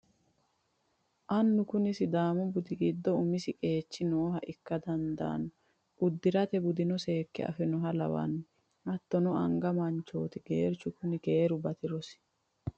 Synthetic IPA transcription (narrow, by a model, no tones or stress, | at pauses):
ʔɐnːʊkʊnɪsɪd̪aːmɔbʊd̪ɪɡɪd̪ːɔʊmɪsɪkʼe̞ːt͡ʃːɪnoːhɐʔɪkːɐd̪ɐnd̪a̰ːnɔ | ʔʊd̪ːɪɾɐt̪ɛbʊd̪ɪnɔse̞ːkːɛ̰ɐ̰fɛnɔɦɐlɐ̰wɐ̰n | ʔɐt̪ːɔnɔɐ̰ŋɡɐmɐnt͡ʃːo̞̰ːt̪ɪɡ̥ḛːɾt͡ʃːʊkʊnɪke̞ːɾʊbɐt̪ɪɾɔs